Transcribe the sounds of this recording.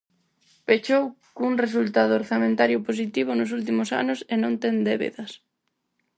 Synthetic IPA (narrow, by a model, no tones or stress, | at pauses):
pet͡ʃowkuŋres̬ult̪að̞ʊːɾθamẽnt̪aɾjʊpos̬it̪iβ̞ʊnʊs̬ult̪imʊsa̰nʊsenõnt̪ɛnd̪eβḛðɐs